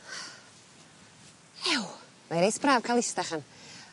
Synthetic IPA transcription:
ɛw | majɾejsb̥raːv̥kʰalˠɪstaχan

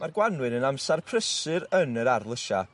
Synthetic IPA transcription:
marɡwanwɨnənamsarpʰrəsɨɾənəɾarlˠəʃa̰

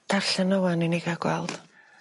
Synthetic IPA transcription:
d̥arɬənəwaniniɡaɡwɛ̰lˠd̥

